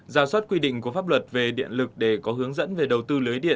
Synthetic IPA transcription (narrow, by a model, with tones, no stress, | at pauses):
zaː˧˩swə˦˥t̚kwi˧ɗḭ˧˨ŋ̟ku˧˩əfaː˦˥p̚lwə˨˩t̚ve˨˩ɗḭ˧˨ənlɨ˨˩k̚ɗe˧˩kɔ˨˦ɦɨ˨˦əŋzə̰˧˥nve˨˩ɗə˨˩wt̪ɨ˧lɨː˨˦jɗḭ˧˨ə